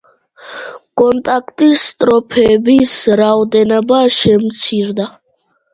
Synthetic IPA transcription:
kʼɔnt̪ʼakʰt̪ʼisːt̪ʼɾɔpʰɛːbisɾaɔd̪ɛnɔbaʃɛmt̪sʰiɾd̪a

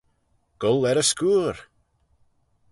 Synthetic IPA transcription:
ɡ̥ʊlɛɾəskuːɾ

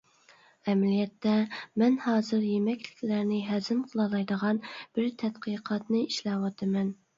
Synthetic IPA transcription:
ɛmɛlijɛt̪ːɛmɛnhɑːzɨɾjemɛkʲlɪ̥kʲlæɾnɪɦæzɪmqʰəlˠɑlˠɑjd̪əʁɑnb̥ɪɾt̪ʰɛt̪qəjqʰɑt̪nɨiʃlɛwɑt̪ʰɨmɛn

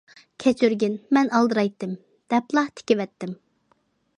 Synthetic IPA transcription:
kʲʰɛt͡ʃʰyɾɡʲɪnmɛnɑlˠd̪ɨɾɑjt̪ːɨm | d̪̥ɛplˠɑht̪ʰɪ̥kʲɪwɛt̪ːɪm

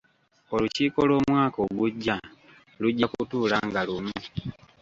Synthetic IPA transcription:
o̞luciːko̞lo̞ːmwaːko̞ɡuɟːa | luɟːakutuːlaŋɡalumu

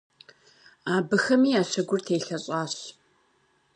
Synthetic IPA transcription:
aːbɨxɐmiːaːɕɐɡʷʊrtʰeːjɬɐɕʼaːɕ

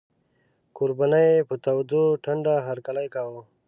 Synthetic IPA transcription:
kuɾbanajepət̪awd̪uʈʰɐɳɖaɦaɾkalajkawo

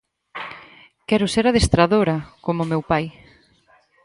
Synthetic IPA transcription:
kɛɾʊseɾað̞est̪ɾaðoɾɐkomʊmewpaj

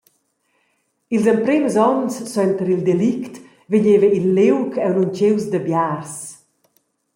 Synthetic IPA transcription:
ilzəmpɾemzɔnsːɔɛnt̪əɾild̪elikt̪ | veɲeːvəilːewkʰɛwnunt͡ʃewzd̪əbjars

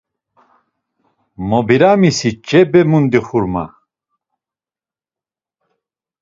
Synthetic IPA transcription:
mobiɾamisit͡ʃɛbɛmund̪iχuɾma̰

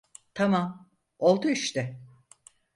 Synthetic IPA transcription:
t̪ʰamam | olˠt̪uyʃt̪ɪ

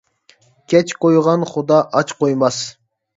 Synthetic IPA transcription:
kʲʰɛt͡ʃkojʁɑnχʊd̪ɑʔɑt͡ʃqʰojmɑs

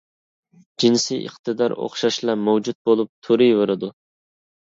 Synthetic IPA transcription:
d͡ʒinsijʔə̰χt̪ɨd̪ɑɾo̰χʃɑʃlˠɑmowd͡ʒut̪̚bolˠup̚t̪ʰuɾɨjveɾɪd̪u

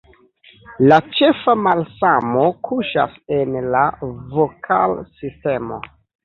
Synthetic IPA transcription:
lat͡ʃe̞famalsamo̞kʰuʃa̰se̞nlavokʰa̰lsiste̞mo̞̰

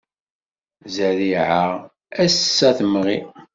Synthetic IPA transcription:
zæɾiʕa | æsːæθəmʁḭ

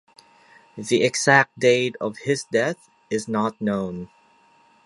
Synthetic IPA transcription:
ðiɨɡz̥æk̚t̚d̥eɪɾʌv̥hɪzdɛθ | ɨznət̚ⁿnõʊ̃n

